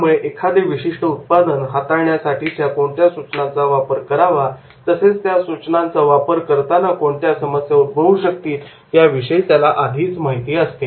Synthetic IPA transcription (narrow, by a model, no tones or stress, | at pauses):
muɭeʔekʰad̪eʋiɕiʂʈəut̪̚pad̪ənɦat̪aɾɳjasaʈiːt̪jakoɳt̪jasut͡snãnt͡saʋapəɾkəɾaʋa | t̪əset͡st̪jasut͡ɕnãnt͡saʋapəɾkəɾt̪anakoɳt̪jasəməsjaut̪̚bʱəʋuɕək̚t̪iːt̪ː | jaʋiɕəit̪jalaʔad̪ʱiːt͡smaɦit̪iːəst̪e